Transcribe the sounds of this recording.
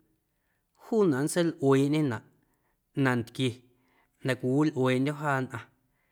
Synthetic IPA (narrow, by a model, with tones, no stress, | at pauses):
huː˦nã˨ʔn˦se˦lʔweː˨ʔɲẽ˦nã˨ʔ | nã˨nt̪kje˧ | nã˨kʷi˨wi˦lʔweː˨ʔndʲo˦ɦaː˦nʔã˧